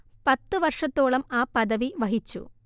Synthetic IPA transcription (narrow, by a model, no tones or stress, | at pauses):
pɐt̪ːɨʋɐrʂɐt̪ːoːɭɐmaːpɐðɐʋiʋɐɦit͡ɕːṵ